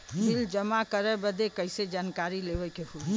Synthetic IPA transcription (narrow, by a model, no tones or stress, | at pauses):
mild͡ʒəmakəɾɛbəd̪ekəɪsed͡ʒankaɾileʋəkeɦu